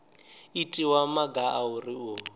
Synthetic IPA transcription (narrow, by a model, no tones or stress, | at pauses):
itʼiwamaɡaʔauriu